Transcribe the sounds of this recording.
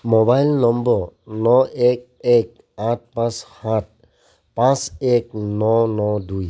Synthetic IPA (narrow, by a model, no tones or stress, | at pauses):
mobajlnɔmbɔɾnɔek̚ | ɛk̚ | ãt̚pãshãt̚ | pãsek̚nɔnɔduj